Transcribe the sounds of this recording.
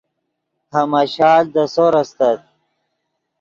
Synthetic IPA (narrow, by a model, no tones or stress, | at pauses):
hɐmaɕɑːld̪əsoɾɐst̪at̪̚